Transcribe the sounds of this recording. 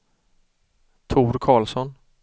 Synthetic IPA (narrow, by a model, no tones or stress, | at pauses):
t̪ʰuːɾkʰɑːlsɔn